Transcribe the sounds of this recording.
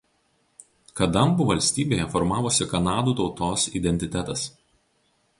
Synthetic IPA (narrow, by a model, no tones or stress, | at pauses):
kɐd̪ɐmbuːʋɐlʲsʲt̪ʲiːbʲeːjɛfɔɾmɑːʋosʲɪkɐnɑːd̪uːt̪ɒʊt̪oːsḭd̪ʲɛnʲt̪ʲɪt̪ʲæt̪ɐs